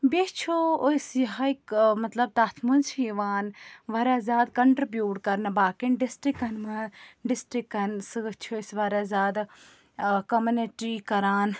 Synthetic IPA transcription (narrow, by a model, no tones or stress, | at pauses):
bet͡ʃʰooisjɐɦaikmɐt̪lɐb̚t̪aːt̪ʰmunsʰiʋaːnʋɐɾaːzʲaːd̪kɐɳʈɾibjuːɖkɐɾnbaːkinɖɪsʈɾikɐnmɐɖɪsʈɾikːɐnsɨt͡ʃʰosʋaɾaːzʲaːd̪ | kɐmɐneʈɾiːkɐɾaːn